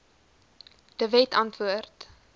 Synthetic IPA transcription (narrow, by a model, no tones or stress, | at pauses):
d̥əvɛtɐntvuərt